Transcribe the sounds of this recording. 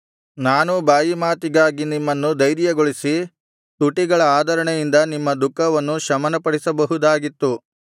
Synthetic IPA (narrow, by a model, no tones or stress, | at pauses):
naːnubaːjimaːt̪iɡaːɡinimːɐnːud̪ɐjɾijɐɡoɭisi | t̪uʈiɡɐɭɐaːd̪ʱɐɾɐɳejind̪ɐnimːɐd̪ukːɐʋɐnːuʃɐmɐnɐpɐɽisɐbɐɦud̪aːɡit̪ːu